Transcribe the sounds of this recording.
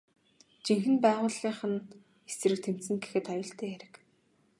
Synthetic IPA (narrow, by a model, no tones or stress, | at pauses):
t͡ɕiŋxɘ̆npæːʁʊːɮiːɴχə̆n | esrɘ̆k̚t̪ʰem̥t̪sɘ̆ŋɡe̥xɘ̆t̪ɔjɞ̆ɬt̪eːæɾɘ̆k